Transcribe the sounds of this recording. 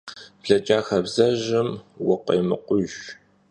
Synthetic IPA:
pɮɐt͡ʃʼaːxɐbzɐʒɪmwʊqḛːmɨ̰qʷʊʒ

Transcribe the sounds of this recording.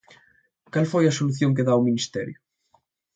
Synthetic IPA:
kalfojasoluθjõŋk̬eðawminist̪ɛ̰ɾju

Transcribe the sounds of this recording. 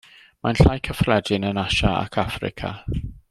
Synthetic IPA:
manɬajkʰəfrɛdɪnənaʃaa̰kʰafrɪ̰kʰa̰

